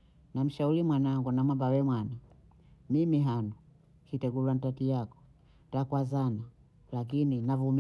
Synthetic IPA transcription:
nam̩ʃaulimwanaŋɡunamabawɛmwana | mimiɦanu | hitɛɡulwantatijakɔ̥ | takwazana | lak̬ininavum

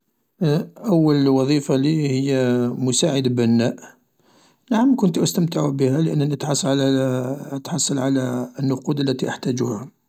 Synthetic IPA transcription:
ʔæwːəlwɑðˤifalihəjːæmʊsaʕəd̪bænːæʔ | naʕəmkʊnt̪ʔəst̪əmt̪əʕubəhæləʔə̰nːænət̪ħɑsˤːɑl | ət̪ħɑsˤːɑlʕalænːʊqud̪əlːæt̪iʔəħt̪æd͡ʒuhæ

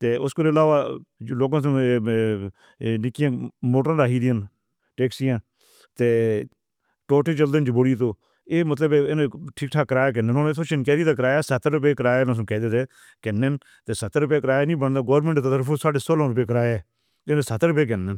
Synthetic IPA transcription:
t̪eːʊskoɾɪlaːʋaːloːɡãːsõ | nɪkɪjãːmoːʈɾãːd̪aːɦiːd̪ɪjən | ʈeːksijãː | t̪eː | ʈoːʈeːt͡ʃəld̪ent͡ʃboɽiːt̪oː | eːmət̪ləbeɪnʈʰiːkʈʰaːkəɾaːjaːk̬ənenont̪ʰoːt͡ʃɪnkɛːd̪iːt̪aːkəɾaːjaːsət̪ɾʊp̬eːkəɾaːjeːnos̬kɛːd̪eːt̪eː | kɛnːen | t̪eːsət̪ɾʊp̬eːkəɾaːjaːnĩːbənd̪aːɡoːɾmẽɳʈt̪ət̪əɾfʰõːsaːɖeːsoːlãːɾʊp̬eːk̬əɾaːjeː | ɪnesət̪ɾʊp̬eːk̬ɛnːen

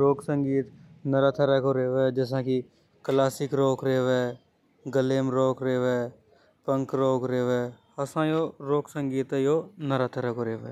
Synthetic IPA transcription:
ɾoːksə̃ŋɡiːt̪nəɾaːt̪ʰəɾaːkoːɾeːʋɛd͡ʒɛːs̬ãːki | klaːsɪkɾoːkɾeːʋɛː | ɡəleːmɾoːkɾeːʋeː | pəŋkɾoːkɾeːʋɛː | əsãːjoːɾoːksə̃ŋɡiːt̪joːnəɾaːt̪ʰəɾaːkoːɾeːʋɛ̰ː

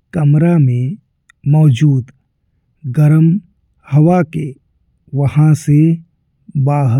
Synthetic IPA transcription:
kɐmɾamẽ | mɔːd͡ʒuːd̪ | ɡəɾəm | hɐwake | ʋəhãse | baːɦə

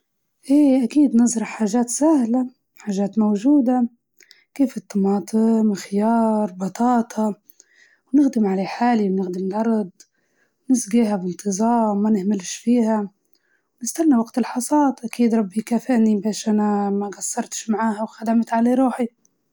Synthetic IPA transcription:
ʔeːʔakiːd̪nɨzˤɾˤɑħaːʒaːt̪sahla | ħaːʒaːt̪mowʒuːd̪a | keːfɪt̪ːɑmɑːt̪ˤɨmɪxɪjɑːɾˤbɑt̪ˤɑːt̪ʰɑ | wnɪɣd̪ɪmʕaleːħaːliwnɪxd̪ɪmlʔɑɾˤd̪ˤ | wnɪsɡiːɦabɪnt̪ɨzˤɑːmːanɪhmɪlʃfiːha | wnɪst̪anːawaɡt̪ɪlħɑsˤɑːt̪ˤʔakiːd̪ɾˤɑbːjkaːfɪʔnibeːʃʔanamaɡasːɑɾˤt̪ʃmaʕaːɦawxad̪amt̪ʕaleːɾˤuːħi

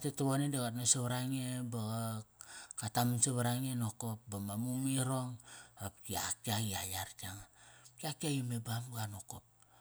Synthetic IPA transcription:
atetoβonedeɣat̬nasaβaɾaŋebaɣa | katamansaβaɾaŋenokopbamamuŋiɾoŋapkia̰kiaɡiajaɾkiaŋkiakiajemebamɡanokop̚

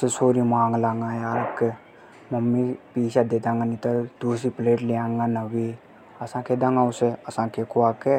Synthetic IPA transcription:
sesoːɾimãːŋɡlaːŋɡajaːɾke | mɐmːipiːʃad̪ed̪ãːŋɡanit̪ɐd̪̥uːs̬ipleːʈleãːŋɡanɐbi | ɐsãːkʰed̪ãŋɡãʊseɐsãːkʰekuake

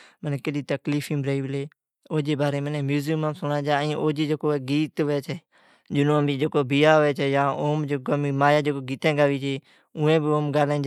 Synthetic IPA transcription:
mənɛ̃ːkəɗiːt̪əkliːfʰĩːbɾəːiːʋleː | oːd͡ʒeːbaːɾeːmənẽːmjuːzɪmãːsʊɳãːd͡ʒaːĩːʔoːd͡ʒeːd͡ʒekoːɡiːt̪ʋɛːt͡ʃʰɛː | d͡ʒɪnõːbiːd͡ʒeːkoːbiːaːoɛːt͡ʃʰɛːjãːoːmd͡ʒekomiːmaːjaːd͡ʒeːkoːɡiːt̪ɛ̃ːɡaːʋiːt͡ʃʰeː | ʊːẽːbɪoːmɡaːlãːd͡ʒ

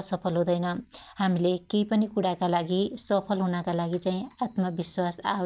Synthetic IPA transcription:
ʌsʌpʰʌlɦũd̪ʌjnʌhamilekejpʌnikuɽakalaɡisʌpʰʌlɦunʌkalaɡit͡saĩat̪mʌbiswasa

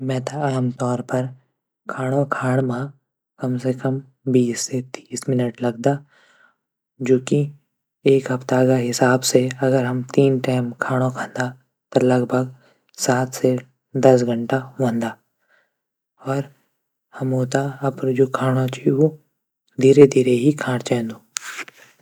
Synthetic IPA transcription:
mɛ̃ːt̪aaːmt̪ɔːɾpɐɾ | kʰaːɽ̃okʰaːɽ̃mã | kɐmsekɐm | biːsːet̪iːsmɪnəʈlɐɡd̪a | d͡ʒoːki | eːkɦɐpt̪akaɦɪsaːbseɐɡəɾɦɐmt̪iːnʈaːɪmkʰaːɽ̃okʰãːnd̪a | t̪ɐlɐɡbʱəɡ | saːt̪ʰse | d̪ɐs̬ɡʱə̃ɳʈaʋɐ̃nd̪aː | ɔːɾ | hɐmoːt̪aɐpɾd͡ʒoːkʰaːɽ̃ot͡ʃʰio | d̪ʱiːɾed̪ʱiːɾeɦikʰãːɽ̃t͡ʃɛ̃ːnd̪oː

